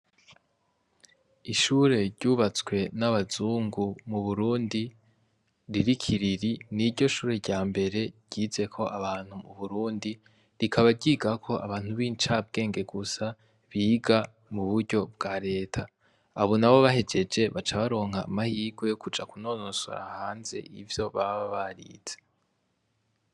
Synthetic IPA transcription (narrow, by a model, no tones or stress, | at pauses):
iʃuːɾe̞ɾɟ̥uːβat͡swe̞naβazuːŋɡumuβuɾuːndi | ɾiɾikʰiɾiɾiniɾɟo̞ʃuːɾe̞ɾɟaːmbe̞ɾe̞̥ɟ̥ize̞kʰo̞ʔaβaːn̥humṵβuɾuːndi | ɾikʰaβaɟiːɡakʰo̞ʔa̰βaːn̥huβit͡ʃab̚ɡe̞ːŋɡe̞ɡusa | βiːɡa | muβuɾɟo̞b̚ɡ̥aɾe̞ːtʰaː | βonaβo̞βahe̞d͡ʒe̞d͡ʒe̞βat͡ʃaβaɾo̞ːŋhaːmahiːɡwe̞jo̞kud͡ʒakuno̞ːno̞so̰ɾa̰haːnze̞̰ʔivjo̞βaβaβaɾḭd͡z̥e̥